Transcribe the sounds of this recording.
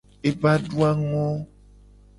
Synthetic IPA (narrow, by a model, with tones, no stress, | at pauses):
e˨va˦ɖu˦a˦ŋɔ̃˦